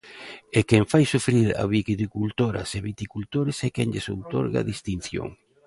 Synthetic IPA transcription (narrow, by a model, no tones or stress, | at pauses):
ekɛɱfajsufɾiɾa̰βikit̪ikult̪oɾɐ̰seβit̪ikult̪oɾesɛkɛŋʎeso̰wt̪o̰ɾɣa̰ðist̪in̟θjo̰ŋ